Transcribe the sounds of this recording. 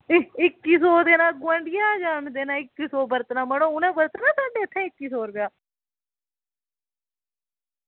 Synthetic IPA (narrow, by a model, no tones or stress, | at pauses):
ɪkːiːsoːd̪eːnãːɡwə̃ɳɖɪjãːd͡ʒaːɳd̪eːnãːɪkːisoːbəɾt̪nãːməɽõːʊnãːbəɾt̪nãːsaːɖeːt̪ʰːẽːɪkːiːsoːɾpɪjaː